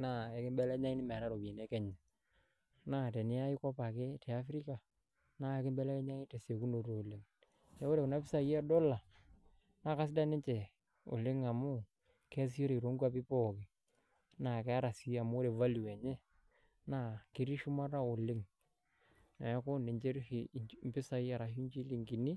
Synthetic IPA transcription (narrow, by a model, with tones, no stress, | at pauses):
na˦˨ɛ˨kɪ˦mbɛ˦lɛ˦ɲa˦ŋi˦nɪ˦mɛ˨ɾa˦ɾo˨bi˨ne˦kɛ˦ɲɛ˨ | na˦te˨nɪ˦a˦ɪ˦kɔ˦pa˨kɪ˦tʰɛ˨a˦fɾi˦ka˨ | na˦e˦kɪ˦mbɛ˦lɛ˦kɛ˦ɲa˦ŋɪ˦te˨se˨ku˦no˨ɾoː˨lɪ˦ŋ | te˦o˦ɾe˨kʊ˨na˦pɪ˦sa˦˨jɛ˦dɔ˦la˨ | na˦˨ka˦s̬ɪ˦da˦nɪ˦t͡ʃɛ˨ | ʊ̰˨lɪ˦ŋa˨mʊ˦ | kɛ˦s̬i˦jo˦ɾe˨i˨ɾo˦ŋɡa˦pɪ˦pɔ˦˨kɪ˨ | na˨kɛ˦a˦ɾa˨si˨˦a˨mʊ˦ɾe˨va˦lu˨ɛ˨ɲɛ˦ | na˦˨kɪ˨˦ɾi˦ʃʊ˦ma˦ɾa˦ʊ˨lɪ˦ŋ | na˨ja˦ko˦ne˨ɲt͡ʃe˦ɾmpɪ˦sa˦ja˨ɾa˨ʃu˦ɲt͡ʃi˦li˨ŋki˨ni˦